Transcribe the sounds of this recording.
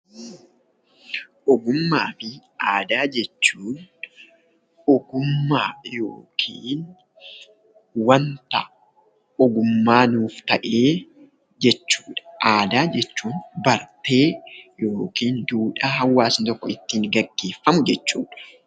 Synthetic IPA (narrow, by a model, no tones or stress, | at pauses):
ʔɔɡʊmːaːfɪaːd̪aːd͡ʒɛt͡ʃːuːn | ɔɡʊmːaːjoːkʰiːn | wɐnt̪ɐ | ɔɡʊmːaːnuːft̪ɐʔeː | d͡ʒɛt͡ʃːu̥ːᶑɐ̥ʔaːd̪aːd͡ʒɛt͡ʃːuːnbɐɾt̪e̞ːjo̞ːkiːnd̪uːᶑaɦɐwːaːsnt̪ɔkːɔɪt̪ːiːŋɡɐɡːeːfːɐmʊd͡ʒɛt͡ʃːuːᶑɐ̥